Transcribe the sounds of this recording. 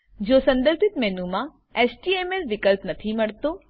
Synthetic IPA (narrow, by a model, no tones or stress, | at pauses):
d͡ʑoːsɐ̃nd̪əɾbɪt̪mɛɦnũmã | esʈiːemeɾʋɪkəlpnɐt̪ʰimɐɽt̪oː